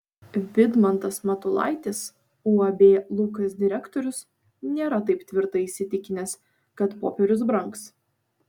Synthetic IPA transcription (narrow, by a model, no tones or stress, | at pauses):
ʋʲɪd̪mɐnt̪ɐsmɐt̪ʊlˠɑ̰ɪt̪ʲɪs | uːɐbʲeːlˠukɐsd̪ʲɪɾʲɛkt̪ɔɾʲʊs | nʲeːɾɐt̪ɐɪpt̪ʲʋʲɪɾt̪ɐiːʃʲsʲɪt̪ʲɪkʲɪnʲɛs | kɐt̪poːpʲɛɾʲʊsbɾɐŋks